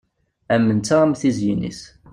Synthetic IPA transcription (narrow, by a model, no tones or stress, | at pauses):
æmːənt͡s̪ːaamθizjinḭs